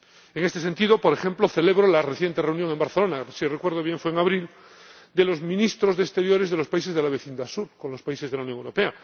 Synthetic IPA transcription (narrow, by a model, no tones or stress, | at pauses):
eŋest̪ese̞nt̪ið̞o̞po̞ɾexe̞mplo̞θe̞le̞βɾolareθje̞nt̪ereunjo̞ŋe̞mbaɾθelo̞nasirekwe̞ɾð̞oβjeɱfweeŋaβɾil | d̪e̞lo̞zmĩnist̪ɾo̞zðest̪e̞ɾjo̞ɾe̞zðelo̞spais̬ezðelaβe̞θind̪asuɾko̞nlo̞spaise̞zðelaunjoŋewɾo̞pe̞a